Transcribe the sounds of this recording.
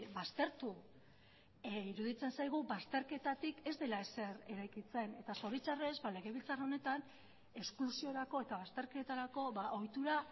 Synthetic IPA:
bast̪e̞ɾt̪u | iɾuðit͡se̞nsajɣ̞ubast̪e̞ɾke̞t̪at̪ike̞zd̪e̞laese̞ɾe̞ɾajkit͡se̞ne̞t̪aso̞ɾit͡sare̞zbale̞ɣe̞βilt͡saro̞ne̞t̪an | e̞sklusio̞ɾako̞e̞t̪aβast̪e̞ɾke̞t̪aɾako̞βaʔo̞jt̪uɾa

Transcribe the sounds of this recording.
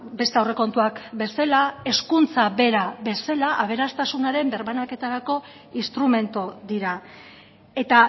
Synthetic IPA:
be̞st̪eawre̞ko̞nt̪uakbe̞salae̞skunt͡saβe̞ɾaβe̞selaʔaβ̞e̞ɾast̪asunaɾe̞mbe̞ɾβanake̞t̪aɾako̞ | inst̪ɾume̞nt̪od̪iɾa | e̞t̪a

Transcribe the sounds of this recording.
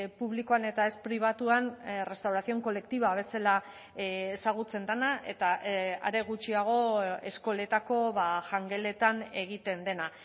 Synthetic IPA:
puβ̞likoane̞t̪ae̞spɾiβ̞at̪uanre̞st̪awɾaθio̞ŋko̞le̞kt̪iβaβ̞e̞sela | esaɣ̞ut͡se̞nd̪anaʔe̞t̪aa̰ɾe̞ɣut͡ʃiaɣ̞o̞e̞sko̞le̞t̪ako̞βaʝaŋɡe̞le̞t̪ane̞ɣ̞it̪e̞nd̪e̞na

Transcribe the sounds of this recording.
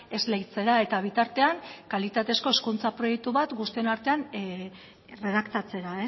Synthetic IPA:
e̞zlejt͡se̞ɾae̞t̪aβ̞it̪aɾt̪e̞aŋkalit̪at̪e̞sko̞eskunt͡sapɾo̞je̞k̚t̪uβat̪ɡust̪ienaɾt̪e̞an | re̞ðakt̪at͡se̞ɾae

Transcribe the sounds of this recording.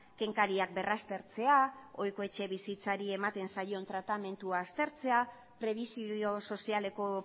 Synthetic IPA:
ke̞ŋkaɾiak̚be̞rast̪e̞ɾt͡se̞ao̞jko̞e̞t͡ʃe̞βisit͡saɾie̞mat̪e̞nsajo̞nt̪ɾat̪ame̞nt̪uaːst̪e̞ɾt͡se̞a | pɾe̞β̞isio̞so̞siale̞ko̞

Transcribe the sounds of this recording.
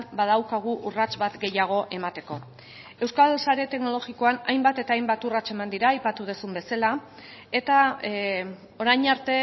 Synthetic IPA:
bað̞awkaɣ̞uʔurat͡sβat̪ɡe̞jaɣ̞o̞ʔe̞mat̪e̞ko̞ | e̞wskalsaɾe̞t̪e̞kno̞lo̞ɣiko̞anajmbat̪e̞t̪aːjmbat̪urat͡ʃe̞mand̪iɾaːjpat̪uð̞esumbe̞sala | e̞t̪a | o̞ɾajɲaɾt̪e̞

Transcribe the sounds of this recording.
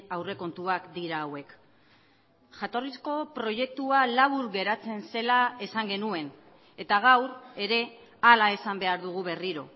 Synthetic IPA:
awre̞ko̞nt̪uakd̪iɾaːwe̞k | ʝat̪o̞risko̞pɾo̞ʝe̞k̚t̪ualaβuɾɣe̞ɾat͡se̞nse̞lae̞saŋɡe̞nue̞n | e̞t̪aɣ̞awɾe̞ɾe̞ | alae̞sambe̞aɾðuɣ̞uβe̞riɾo̞̰

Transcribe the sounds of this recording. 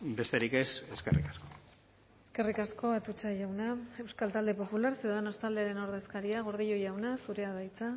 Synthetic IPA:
be̞st̪eɾike̞se̞skerḭkasko | eske̞rikasko̞at̪ut͡ʃajawnae̞wskalt̪ald̪e̞po̞pulaɾsiððeno̞st̪ald̪e̞aɾe̞no̞ɾðe̞skaɾiaɣoɾð̞iʎo̞jawnasuɾe̞aðajt͡sa

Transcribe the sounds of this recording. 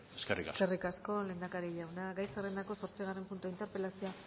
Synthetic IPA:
eskerḭa̰serikasko̞le̞nd̪akaɾeʎawnaɡajserend̪ako̞so̞ɾt͡siɣ̞are̞mpunt̪uaint̪eɾpe̞lasioa

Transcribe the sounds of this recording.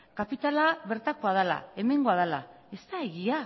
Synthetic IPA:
kapit̪alaβe̞ɾt̪ako̞að̞ala̰e̞me̞ŋɡo̞aðala | e̞st̪ae̞ɣia

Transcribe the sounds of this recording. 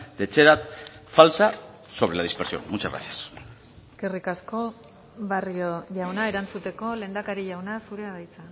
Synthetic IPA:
d̪̥e̞t͡ʃeɾat̪falsa | so̞βɾelaðispeɾsio̞̰nmut͡ʃaɣɾa̰sias | ske̞rikasko̞ | βarioʝawnaeɾant͡sut̪e̞ko̞le̞ːnd̪akaɾiʝawnasuɾeaðajt͡sa

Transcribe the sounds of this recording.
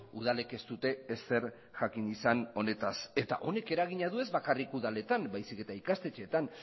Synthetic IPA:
uð̞ale̞ke̞st̪ut̪e̞ese̞ɾ | ʝakinisano̞ne̞t̪ase̞t̪a̰ʔo̞ne̞ke̞ɾaɣ̞iɲaðue̞zβakarikuðale̞t̪ambajsike̞t̪aikast̪e̞t͡ʃeːt̪an

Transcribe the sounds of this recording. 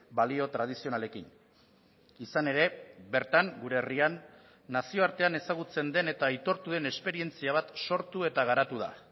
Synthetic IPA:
balio̞t̪ɾað̞isio̞nale̞kin | isane̞ɾe̞βe̞ɾt̪aŋɡuɾe̞rianː | asio̞aɾt̪e̞ane̞saɣ̞ut͡se̞nd̪e̞ne̞t̪aːjt̪o̞ɾt̪uðe̞ne̞spe̞ɾie̞nt͡siaβ̞at̪so̞ɾt̪ue̞t̪aɣ̞aɾat̪uð̞a̰

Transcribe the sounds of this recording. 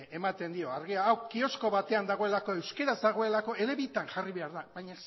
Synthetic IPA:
e̞mat̪e̞nd̪io̞aɾɣiaːwɡio̞sko̞βat̪e̞and̪aɣ̞o̞e̞lako̞e̞wske̞ɾazd̪aɣ̞o̞e̞lako̞e̞le̞βit̪anʝariβe̞aɾðaβajɲas

